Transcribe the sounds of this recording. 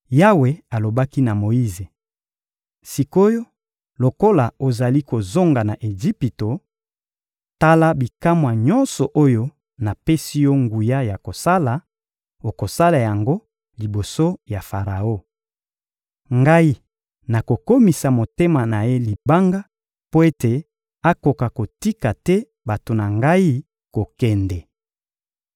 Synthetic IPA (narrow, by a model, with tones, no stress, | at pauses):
ja˦we˨a˨lo˨ba˦ki˦na˨mo˨i˦ze˨ | si˨ko˦jo˦ | lo˨ko˦la˨o˨za˨li˦ko˨zo˦ŋɡa˨na˨ʔe˨zi˦pi˨to˨ | ta˦la˦bi˨ka˦mwa˨ɲɔ˦nsɔ˨ʔo˦jo˦ | na˨pe˦si˦jɔ˦ŋɡu˨ja˦ja˨ko˨sa˦la˨ | o˨ko˨sa˦la˨ja˨ŋɡo˦ | li˨bo˨so˦ja˨fa˨ʁa˨o˦ | ŋɡa˦i˦ | na˨ko˨ko˦mi˨sa˨mo˨te˦ma˨na˨je˦li˨ba˦ŋɡa˦ | po˦e˦te˨ | a˦ko˨ka˨ko˨ti˦ka˨tɛ˦ | ba˨to˨na˨ŋɡa˦i˦ | ko˨kɛ˨ndɛ˨